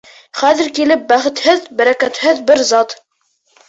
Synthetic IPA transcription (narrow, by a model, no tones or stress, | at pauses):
χæðɘ̆ɾkilɘp̚bæχɘ̆t̪hɘðbæɾækæt̪hɘðbɘɾzɑt̪